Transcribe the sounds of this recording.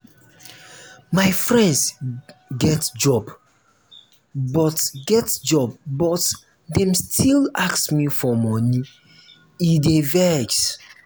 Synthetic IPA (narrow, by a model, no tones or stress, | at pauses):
maɪfɹɛ̃nds | ɡɛtd͡ʒɔb | bɔtɡɛtd͡ʒɔbbɔt | dɛ̃mstʰilaksmifɔmɔni | idevɛɡs